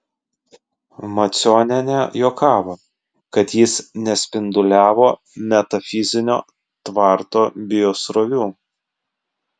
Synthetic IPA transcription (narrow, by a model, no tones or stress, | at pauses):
mɐt̪sʲoːnʲɛnʲɛjoːkʰɑːʋo | kɐt̪jɪsnʲɛsʲpʲɪnd̪ʊlʲæːʋoː | mʲɛt̪ɐfʲɪzʲɪnʲo̰ː | t̪ʋɑˑɾt̪oːbʲɪjoːsɾɔʋʲuː